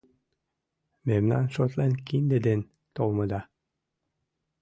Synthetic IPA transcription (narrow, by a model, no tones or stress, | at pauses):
memnɑ̰nʃot̪lenkind̪ed̪en | t̪olmɤ̆d̪ɑ